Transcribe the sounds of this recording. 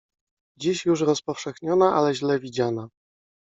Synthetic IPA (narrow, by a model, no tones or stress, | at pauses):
d͡ʑiɕjuʂɾɔspɔfʂɛxɲɔnaʔalɛʑlɛvʲid͡ʑana